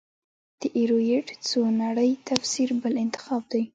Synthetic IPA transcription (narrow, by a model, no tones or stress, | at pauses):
d̪̥əʔeɾojeʈt͡sonaɽəjt̪afsiɾbəlɪnt̪ɪ̥xɑb̚d̪aj